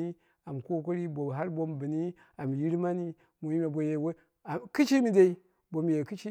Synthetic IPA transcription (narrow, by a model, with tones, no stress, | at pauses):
i˦ | a˨m˨ko˦k̬o˦ɾi˦bo˨ɦa˦ɾbo˦mbɨ˨ni˦ | a˨m˨ji˦ɾma˦ni˦ | mu˨ji˦me˨bo˨je˨we˦ | a˨kɨ˦t͡ʃi˦mi˨da˦i˦ | bo˨m˨je˨ki˦t͡ʃi˦